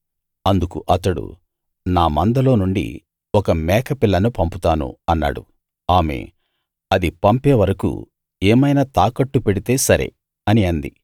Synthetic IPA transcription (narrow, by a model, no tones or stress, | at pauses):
ɐnd̪ukṵʔɐt̪ːɐɽṵ | naːmɐnd̪ɐlo̞ːnuɳɖḭ | ɔkɐmɛːkɐpilːɐnupɐmput̪aːnṵɐnːa̰ːɽṵ | aːme̞̰ː | ɐd̪ipɐmpeːʋɐɾɐkṵ | eːmɐjnaːt̪aːkɐʈːupeɽit̪e̞ːsɐɾḛ | ɐniɐnd̪i